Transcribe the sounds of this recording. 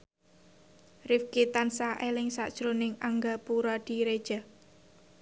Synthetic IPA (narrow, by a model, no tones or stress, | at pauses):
rɪfkit̪ansaʔelɪŋsa̰ʔd̥ʒ̥ɾonɪŋaŋɡapuɾɔd̪̥i̤ɾed̥ʒ̥a